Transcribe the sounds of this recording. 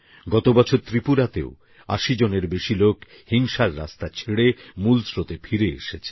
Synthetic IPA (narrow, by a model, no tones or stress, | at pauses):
ɡɔt̪obɔt͡ɕʰoɾt̪ɾipuɾat̪eo | a̰ʃid͡ʑoneɾbeʃilok | hiŋʃaɾːa̰st̪at͡ɕʰeɽemulsɾot̪efʰiɾeḛʃet͡ɕʰe